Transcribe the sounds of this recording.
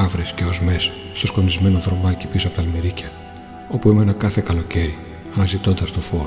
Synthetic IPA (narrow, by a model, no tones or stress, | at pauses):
ɐvɾesce̞o̞zme̞sɐ̥ | st̪osko̞nizme̞noðɾo̞mɐci̥pisɐpot̪ɐlmeɾicɐ | o̞puemenɐkɐθe̞kɐlo̞ce̞ɾi | ɐnɐzit̪o̞nd̪ɐst̪o̞fo̞ɾo